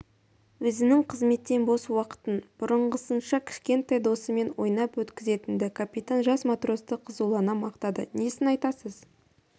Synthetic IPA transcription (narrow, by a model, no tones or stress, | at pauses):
wɵzɪnɪŋqʰəzme̞t̪ːe̞nbo̞swɑqə̥t̪ənb̥ʊɾəɴʁəsənʃɑkʲʰɪ̥ʃkʲe̞nt̪ːɑjd̪o̞səme̞nwo̞̰jnɑpwɵt̪kʲɪze̞t̪ɪnd̪ɪkʰapʲit̪anʒɑsmat̪ro̞st̪əqʰəzuwlˠɑnɑmɑqt̪ɑd̪ə̰nesɪnɑjt̪ɑsəz